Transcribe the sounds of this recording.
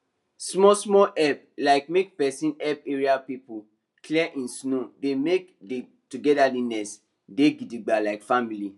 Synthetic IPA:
smɔsmɔʔɛp̚ | laɪk̚mek̚pɛsĩnɛp̚eɹiapipu | klɛʔĩnsnodemekde | tuɡɛdalinɛs | deɡidiɡ͡balaɪkfamili

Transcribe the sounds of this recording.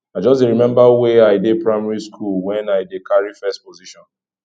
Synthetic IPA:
aɪd͡ʒɔsdeɾimɛ̃mbaweaɪdepɹaɪmaɹiskʰulwɛ̃naɪdekaɹifɛst̚poziʃɔ̃n

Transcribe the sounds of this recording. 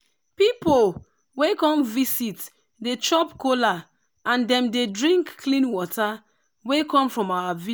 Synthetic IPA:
pipol | wekɔ̃mvisit | det͡ʃɔpkola | ãndɛ̃mdedɹĩŋkːlĩnwɔtʰa | wekɔ̃mfɹɔ̃mawavi

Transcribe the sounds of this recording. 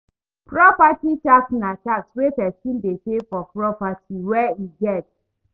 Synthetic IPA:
pɹɔpatit͡ʃaksnat͡ʃakswepɛsĩndepefɔpɹɔpatʰiwɛiɡɛt̚

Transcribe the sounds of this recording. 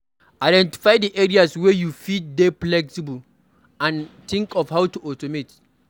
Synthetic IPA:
ajdɛ̃nti̥fajdiʔɛɹiaswɛjufitdeplɛksibəl | ãnt̪ĩŋkɔfhawtuʔɔtɔmet

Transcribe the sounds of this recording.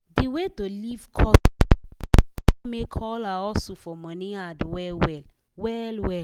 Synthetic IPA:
diwetolivkʰɔ | mekʰɔlaɔlsofɔmɔ̃niadwɛlwɛl | wɛlwɛ

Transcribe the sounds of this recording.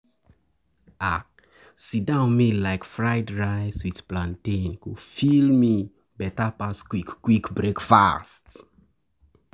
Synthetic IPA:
a | sidãʊ̃nmilaɪkfɹaɪdɹaɪzwið̥plãntĩnkufilmi | bɛtapaskwikːwikbɹekfa̰st

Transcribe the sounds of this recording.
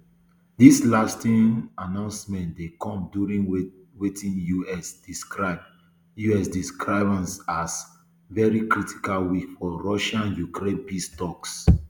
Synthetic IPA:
dislastĩnanãʊ̃nsmɛ̃ntdekɔ̃mdjuɹĩŋ | wetʰĩnjuɛsdiskɹab̚ | juɛsdiskʰɹaɪvãnsas | vɛɹikɹitʰi̥kalwikfɔɹɔʃãnjukɹẽbistɔks

